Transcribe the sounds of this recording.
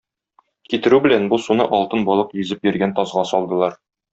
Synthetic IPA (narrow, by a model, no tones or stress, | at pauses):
kit̪ɘ̆ɾʉbɘ̆lænbusunɤʔɒlˠt̪ɤnbɒlˠɤqjɵ̆zɘpjɵ̆ɾɡænt̪ɒzʁɑsɒlˠd̪ɤ̆lˠɑɾ